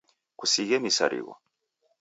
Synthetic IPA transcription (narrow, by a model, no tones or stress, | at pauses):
kusiɣemisa̰ɾḭɣɔ̰